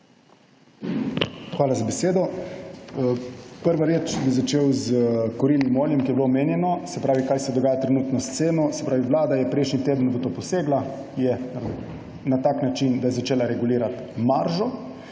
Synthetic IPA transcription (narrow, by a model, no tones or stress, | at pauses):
xʋaːlazabɛseːd̪ɔ | pəɾʋaɾeːt͡ʃbizat͡ʃeːwzkɔɾilimoːljɛmkijɛbilomeːnjɛnɔsɛpɾaːʋikaːjsɛd̪ɔɡaːjat̪ɾɛnuːt̪nɔst̪seːnɔsɛ̥pɾaːʋiʋlaːd̪ajɛpɾɛjʃnit̪eːd̪ənbot̪opɔseːɡla | jɛ | nat̪aːknat͡ʃind̪ajɛzat͡ʃeːlaɾɛɡuliːɾat̪maɾʒɔ